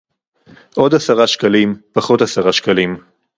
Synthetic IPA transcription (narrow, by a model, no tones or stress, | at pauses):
ʔo̞d̪asaʁaʃkalimpaχo̞t̪asaʁaʃkalim